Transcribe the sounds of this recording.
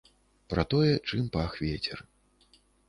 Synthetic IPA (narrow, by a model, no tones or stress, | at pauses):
pɾɐt̪ɔjɛt͡ʂɨmpaxvʲɛt͡sʲɛr